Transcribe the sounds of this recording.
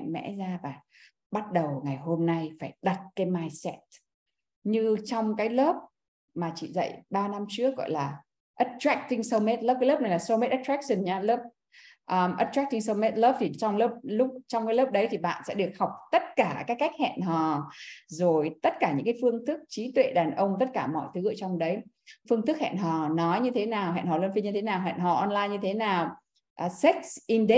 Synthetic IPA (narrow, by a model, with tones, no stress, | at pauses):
mɛ̰˧˥zaː˧vaː˨˩ | ɓa˦˥t̚ɗə˨˩wŋa˨˩jɦo˧mna˧jfaː˧˩jɗa˨˩t̚kaː˨˦jmaː˧jsɛ˦˥t̚ | ɲɨ˧t͡ɕɔ˧wŋ͡mkaː˨˦jlə˦˥p̚ | maː˨˩t͡ɕḭ˧˨zə̰˧˨jɓaː˧na˧mt͡ɕɨ˦˥ək̚ɣɔ̰˧˨jlaː˨˩ | ʔə˨˦t̚tɹɛ˦˥k̚t̪i˧ŋsə˧wme˦˥t̚ləː˦˥p̚kaː˨˦ləː˦˥p̚na˨˩jlaː˨˩sə˧me˦˥t̚ʔə˦˥tɹa˦˥k̚sə˨˩nɲaː˧lə˦˥p̚ | ʔə˧˩mʔə̰˨˦tɹa˦˥k̚t̪i˧ŋsə˧wme˦˥t̚ləː˦˥p̚t̪ʰi˨˩t͡ɕɔ˧wŋ͡mləː˦˥p̚lʊ˦˥k͡p̚t͡ɕɔ˧wŋ͡mkaː˨˦ləː˦˥p̚ɗə˨˦jt̪ʰi˨˩ɓa̰ː˧˨nsɛ̰˧˥ɗɨ˨˩ək̚ha˨˩wk͡p̚t̪ə˦˥t̚kaː˧˩kaː˨˦˥kkːa˦˥jk̚hɛ̰˧˨nɦɔ˨˩zo˨˩jt̪ə˦˥t̚kaː˧˩ɲɨ̰˧˥ŋkaː˨˦jfɨ˧əŋt̪ʰɨ˦˥k̚t͡ɕi˨˦t̪wḛ˧˨ɗaː˨˩nʔə˧wŋ͡mt̪ə˦˥t̚kaː˧˩mɔ̰˧˨jt̪ʰɨ˨˦ʔəː˧˩t͡ɕɔ˧wŋ͡mɗə˨˦j | fɨ˧əŋt̪ɨ˦˥k̚hɛ̰ː˧˨nɦɔ˨˩nɔ˨˦jɲɨ˧t̪ʰe˨˦naː˨˩wɦɛ̰˧˨nhɔ˨˩lə˧nfi˧ɲɨ˧t̪ʰe˨˦naː˨˩wɦɛ̰ː˧˨nɦɔ̰˨˩ʔɔ˧nlaː˧jɲɨ˧t̪ʰe˨˦naː˨˩w | ʔə˨˩sɛ˦˥k̚sʔi˧nɗɛ˦˥